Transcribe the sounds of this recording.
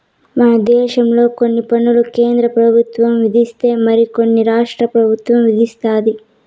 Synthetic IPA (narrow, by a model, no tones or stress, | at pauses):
mɐnɐd̪ɛːʃɐmlo̞ːkonːipɐnːulukeːnd̪ɾɐpɾɐbʱut̪ʋɐmʋid̪ʱist̪e̞ːmɐɾikonːiɾaːʂʈɾɐpɾɐbʱut̪ʋɐmʋid̪ist̪aːd̪i